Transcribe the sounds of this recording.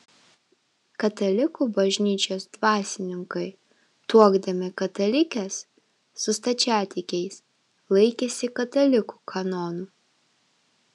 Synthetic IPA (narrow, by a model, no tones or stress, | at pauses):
kɐt̪ɐlʲɪkuːˑbɐʒʲnʲiːt͡ʃʲoːsd̪ʋɑːsʲɪnʲɪŋkɐɪ | t̪uɔɡd̪ɐmʲɪkɐt̪ɐlʲɪkʲɛsː | ʊst̪ɐt͡ʃʲæːt̪ʲɪkʲɛɪs | lˠɐɪkʲɛːsʲɪkɐt̪ɐlʲɪku̥kʰɐnɔːnuː